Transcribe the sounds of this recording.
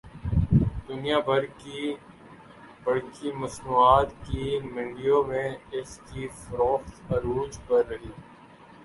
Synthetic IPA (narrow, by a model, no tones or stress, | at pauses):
d̪ʊnijabʱɐɾki | bɐɽkimɐsnuːaːt̪kimɪ̃ɳɖijõmẽɪskifɾoːxt̪ɐɾuːd͡ʒpɐɾːɐɦiː